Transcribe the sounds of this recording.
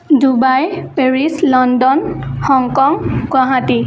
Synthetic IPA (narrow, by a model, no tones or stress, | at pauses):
dubajpeɹislɔndɔnhɔŋkɔŋɡwaɦati